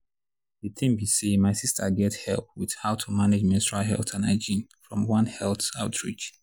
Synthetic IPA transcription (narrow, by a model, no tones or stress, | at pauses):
ðitʰĩmbisemaɪsistʰə̰ɡɛthɛ̰lˠp̚wið̥haʊtʰumaned͡ʒmɛ̃tɹalɦɛ̰lˠθãnaɪd͡ʒĩnfɹɔ̃mwʌ̃nhɛlˠθaʊtʰɹḭt͡ʃ